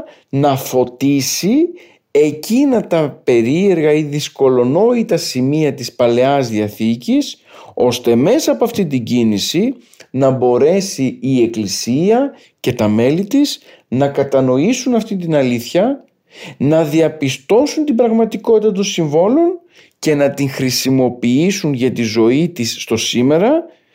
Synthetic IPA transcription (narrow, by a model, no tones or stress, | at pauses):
nɐfo̞t̪isi | e̞cinɐt̪ɐpe̞ɾie̞ɾɣɐiðisko̞lo̞no̞it̪ɐsimiɐt̪ispɐle̞ɐzðiɐθicis | o̞st̪e̞me̞sɐːpoɐft̪ind̪iɟinisi | nɐbo̞ɾe̞siːe̞klisiɐ | ce̞t̪ɐme̞lit̪is | nɐkɐt̪ɐno̞isunɐft̪int̪inɐliθçɐ | nɐðiɐpist̪o̞sunt̪ibɾɐɣmɐt̪iko̞t̪it̪ɐt̪o̞nsiɱvo̞lo̞n | ce̞nɐt̪iŋxɾisimo̞piisunʝɐt̪izo̞it̪isːt̪o̞sime̞ɾɐ